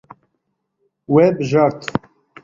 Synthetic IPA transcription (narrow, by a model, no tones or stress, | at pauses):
wɛbɨʒɑːɾt̪ʰ